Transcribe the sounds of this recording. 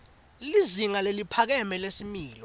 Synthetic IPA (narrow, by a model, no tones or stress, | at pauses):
liziŋalelipʰak̬ɛmɛlesimiːlɔ